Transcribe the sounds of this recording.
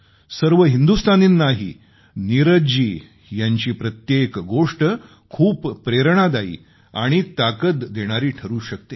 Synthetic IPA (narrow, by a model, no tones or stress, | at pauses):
səɾʋəɦind̪ust̪ʰaniːnːaɦḭ | niɾəd͡ʑiː | jaɲt͡ɕiːpɾət̪jekɡoʂʈə | kʰuːpːɾeɾɳ̃ad̪aḭː | a̰ɽ̃it̪akət̪ːeɽ̃aɾiːʈʰəɾuːɕək̚t̪e